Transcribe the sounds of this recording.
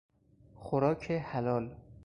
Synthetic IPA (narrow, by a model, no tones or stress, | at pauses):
xoɾɒːkʰehælɒːl